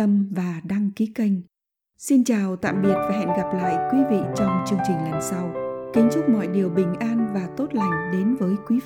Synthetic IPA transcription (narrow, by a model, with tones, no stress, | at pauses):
ə˧mvaː˨˩ɗaː˧ŋki˨˦ka˧jŋ̟ | si˧nt͡ɕaː˨˩wt̪a̰ː˧˨mɓi˨˩ət̚vaː˨˩ɦɛ̰˧˨nɣa˨˩p̚la̰ː˧˨jkwi˨˦vḭ˧˨t͡ɕɔ˧wŋ͡mt͡ɕɨ˧əŋt͡ɕï˨˩ŋ̟la˨˩nsa˧wkï˨˦ŋ̟t͡ɕʊ˦˥k͡p̚mɔ̰˧˨jɗi˨˩əwɓï˨˩ŋ̟ʔaː˧nvaː˨˩t̪o˦˥t̚la˨˩jŋ̟ɗe˨˦nvəː˨˦jkwi˨˦